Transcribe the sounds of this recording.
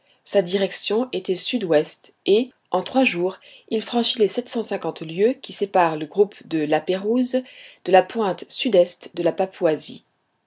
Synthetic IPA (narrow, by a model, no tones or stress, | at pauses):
sad̪iʁɛksjɔ̃et̪ɛsyd̪wɛst̪e | ɑ̃t̪χwaʒuːʁilfχɑ̃ʃilesɛt̪sɑ̃sɛ̃kɑ̃t̪ljøkʲisepaʁləɡʁupd̪əlapeʁuzd̪̥əlapwɛ̃t̪syd̪ɛst̪d̪əlapapwazi